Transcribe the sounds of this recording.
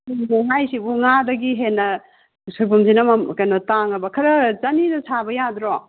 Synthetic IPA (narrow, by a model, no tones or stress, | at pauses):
uniɦajsibuŋadɐɡiɦenːɐ | sojbumzinɐmɐmkajnɔtaŋɐbɐkʰɐɾɐzanidɐsabɐjadɾɔ